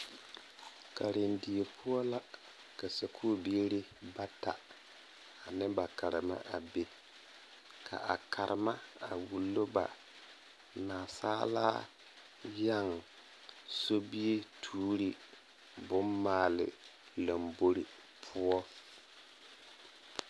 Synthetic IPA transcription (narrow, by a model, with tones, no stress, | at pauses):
ka˨ɾɪ˨ndɪ˨e˨pʰʊ˦ɔ˦la˦ | ka˨sa˨kʰu˦˨bi˦e˦ɾɪ˦ba˦ta̰˨ | a˨nɪ˦ba˨ka˨ɾɪ̰˨ma̰˦ʔa˨be˦ | kʰa̰˨ʔa˨kʰa˨ɾʔɪ˨ma˦a˨wu˨lːo˦ba̰˨ | naː˨saː˦la̰ː˦ | ja˦˨ŋ | so˦bi˦e˦tʰuː˦ɾi˦ | bʊ˦nmaː˦˨lɪ̰˨ | la˨mbo˦ɾi˨ | pʰʊ˦ɔ˦